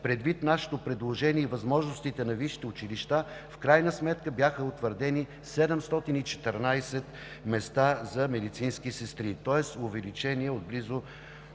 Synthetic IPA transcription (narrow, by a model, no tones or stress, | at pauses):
pɾɛd̪vit̪naʃɛ̥t̪opɾɛd̪lˠoʒɛniɛivɐzmɔʒnʊst̪it̪ɛnɐviʃi̥t̪ɛʊt͡ʃiliʃt̪a | fkɾajnəsmɛt̪kəbjaxəot̪vəɾd̪ɛni | sɛd̪ɛmst̪ɔt̪init͡ʃɛ̥t̪ɛɾnajsɛt̪ | mɛst̪azɐmɛd̪it̪sinskisɛst̪ɾit̪ɔɛsʊvɛlit͡ʃɛniɛod̪̚blizʊ